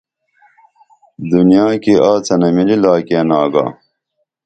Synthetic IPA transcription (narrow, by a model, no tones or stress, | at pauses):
d̪unijaːkiʔaːt͡sɐnɐmililaːkeːnaːɡa̰ː